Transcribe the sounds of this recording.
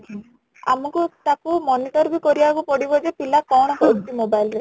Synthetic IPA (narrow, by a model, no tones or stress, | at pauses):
a̰mɔkut̪akumɔniʈɔɾbikɔɾibakupɔɽibɔd͡ʒepilakɔɽ̃ɔkɔukʈ̪imobajlɾe